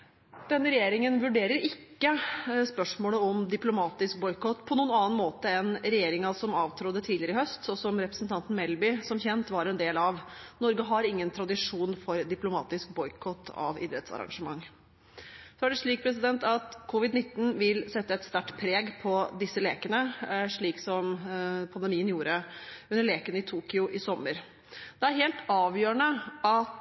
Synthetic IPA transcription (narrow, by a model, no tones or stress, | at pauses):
d̪̥ɛnːəɾɛjeːɾɪŋənʋʉɖeːɾəɾɪkːəspœʂmoːləɔmd̪ɪplʊmɑːt̪ɪsk̚bɔʏkɔt̪ːpʰɔnuːnɑːənmoːt̪əɛnɾɛjeːɾɪŋɑsɔmɑːʋt̪ʰɾɔd̪ət̪ʰiːlɪəɾɪɦœst̪sɔsɔmɾɛpɾəsn̩t̪ʰɑnt̪n̩mɛlbɪsɔmçɛnt̪ʋɑɾɛnd̪eːlɑʋnɔɾɡəɦɑɾɪŋːənt̪ʰɾɑd̪ɪʂuːnfɔɾd̪ɪplʊmɑ̰ːt̪ɪsk̚bɔʏkʰɔt̪ʰːɑ̰ʋɪ̰d̪ɾɛt̪sɑ̰ɾɑ̰ŋʂəmɑŋː | sɔæɖɛʂɭiːk̚pʰɾɛs̬ɪd̪ɛnt̪ɑt̪kʰʊʋɪd̪nɪt̪ːn̩ʋɪlsɛt̪ːəɛt̪st̪æʈːpʰɾeːɡpʰɔd̪ɪsːəleːkənəʂɭiːksɔmpʰɑnd̪əmiːənjuːɾəʉnːəɭeːkənəɪt̪ʰuːkʏʊʔɪsɔmːəɾ | d̪̥ɛæɾheːlt̪ɑːʋjøːəɳəʔɑt̪